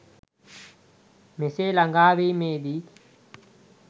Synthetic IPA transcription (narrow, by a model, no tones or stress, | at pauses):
mɪseːlɐŋɡaːʋiːmẽːd̪iː